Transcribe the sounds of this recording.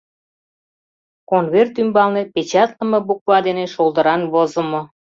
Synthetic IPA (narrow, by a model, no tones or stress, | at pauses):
konβert̪ymbɑlnepet͡ɕɑt̪lə̆mɤbuk̚βɑd̪eneʃolˠd̪ə̆ɾɑnβozə̆mo